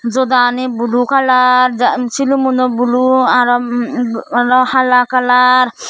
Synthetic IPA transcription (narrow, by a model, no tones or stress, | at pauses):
d͡ʒɔd̪anibulukalaɾd͡ʒat͡ʃʰilumund̪ɔbuluaɾɔ | aɾɔhalakalaɾ